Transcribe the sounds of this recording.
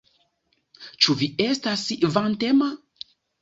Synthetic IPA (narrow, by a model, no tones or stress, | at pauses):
t͡ʃuviestasivantema